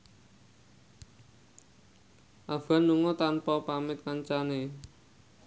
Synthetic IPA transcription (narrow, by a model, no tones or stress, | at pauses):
ʔav̥anːuŋɔt̪anpɔpamɪt̪̚kaɲt͡ʃane